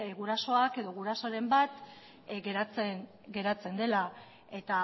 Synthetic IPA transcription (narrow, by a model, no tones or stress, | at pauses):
ɣuɾaso̞ake̞ðo̞ɣuɾaso̞ɾe̞mbat̪ | ɡeɾat͡sen | ɡe̞ɾat͡se̞nd̪e̞la | e̞t̪a